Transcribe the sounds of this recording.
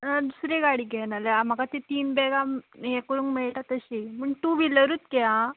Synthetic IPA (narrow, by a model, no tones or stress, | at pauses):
ad̪usɾeɡaɽiːɡʱɛnaleam̤akat̪et̪iːnbɛɡajɛ̃kuɾuŋkmeɭʈat̪əɕiməɳt̪uʋiləɾuːt̪kɛã